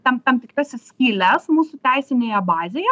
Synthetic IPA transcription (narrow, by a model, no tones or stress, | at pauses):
t̪ɐmt̪ɐmt̪ʲɪkt̪oːsʲɛsʲkʲiːlʲɛsmuːsʊt̪ʲæːɪsʲɪnʲejɛbɑːzʲejɛ